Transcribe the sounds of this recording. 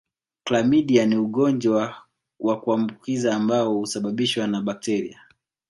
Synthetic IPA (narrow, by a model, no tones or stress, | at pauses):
klamiɗianiuɠɔnd͡ʒwa | wʔakuambukizaːmbaɔhusaɓaɓiʃwanaɓak̚tɛɾḭa